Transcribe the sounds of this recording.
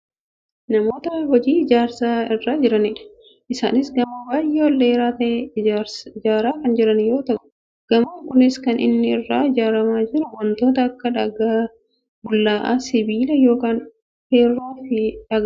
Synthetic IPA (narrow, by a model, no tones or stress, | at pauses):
nɐmo̞ːt̪ɐhɔd͡ʒiːɪd͡ʒaːɾsaːɪrːaːd͡ʒɪɾɐnɪᶑɐ̥ | ʔɪsa̰ːnɪsɡɐmɐbaːjːɛwɔlːeːɾaːt̪ɐʔeɾsɪd͡ʒaːɾaːkɐnd͡ʒɪɾɐnjo̞ːt̪ɐʔʼʊ̥ | ɡ̥ɐmɐŋkʊnɪskɐnʔɪ̰nːɪɪrːaːɪd͡ʒaːɾɐmaːd͡ʒɪɾʊwɔnt̪o̞ːt̪ɐːkːɐᶑɐɡa | bʊlːaːʔa̰ːsɪbiːlɐjo̞ːkaːn | heːɾːaːɪfɪᶑɐɡ